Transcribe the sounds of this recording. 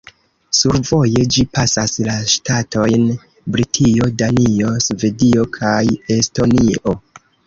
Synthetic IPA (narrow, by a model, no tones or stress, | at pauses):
suɾvo̞je̞d͡ʒipʰasaslaʃtatʰo̞jn | bɾitʰio̞danio̞sve̞dio̞kʰaje̞sto̞niʔo̞